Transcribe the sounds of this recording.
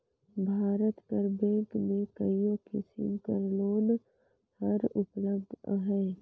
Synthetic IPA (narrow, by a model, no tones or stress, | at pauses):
bʱaːɾət̪pəɾbɛ̃ːŋkmẽkəijõkɪsɪ̰mkəɾloːn | həɾʊpləb̚d̪̰ʱɦɛː